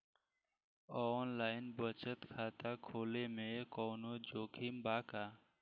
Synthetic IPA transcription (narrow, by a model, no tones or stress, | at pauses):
ɔːnlaːɪnbət͡ʃət̪kʰaːt̪aːkʰoːleːmẽːkoːnoːd͡ʒoːkʰiːmbaːkaː